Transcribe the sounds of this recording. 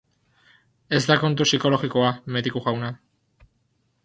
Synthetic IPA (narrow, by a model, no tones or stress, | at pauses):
e̞zd̪ako̞nt̪̬usiko̞lo̞ɣiko̞ameðikuɣawna